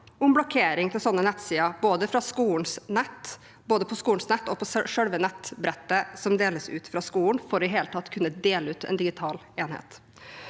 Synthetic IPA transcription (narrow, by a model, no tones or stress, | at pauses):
ʊmblɔkʰeːɾɪŋt̪ʰɪlsɔnːənɛt̪siːɑboːd̪əfɾɑskuːnsnɛt̪ː | boːd̪əpʰɔskuːənsnɛt̪ːɔpʰɔsʂœɽʋənɛt̪ːbɾɛt̪ːəsɔmd̪eːləsʉ̰ːt̪fɾɑskuːɳfɔɾɪɦeːlət̪ʰɑt̪ːkʰʉnːəd̪eːləʉːt̪ʰɛ̰nd̪ɪɡɪt̪ʰɑːl | eːnhḛːt̪